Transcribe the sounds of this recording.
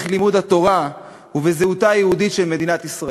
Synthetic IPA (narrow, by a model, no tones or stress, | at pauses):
χlimud̪hat̪o̞ʁa | uvezeut̪ajehud̪it̪ʃelme̞dinat̪isʁa